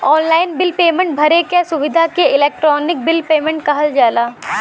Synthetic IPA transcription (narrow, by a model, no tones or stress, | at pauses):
ɔːnlaːɪnbɪlpeːmẽɳʈ̚bʱɐɾekɛsʊʋɪd̪ʱakeɪleːk̚ʈɾɔːnɪk̚bɪlpeːmẽɳʈkɐɦəld͡ʒaːlaː